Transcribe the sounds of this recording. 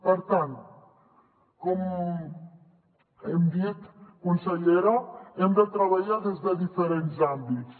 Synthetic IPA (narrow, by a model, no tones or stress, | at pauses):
pəɾt̪an | kɔm | ɛmd̪it̪kunsəʎeɾoɛmd̪ət̪ɾəβəʎaðezðəðifəɾenzambitt͡s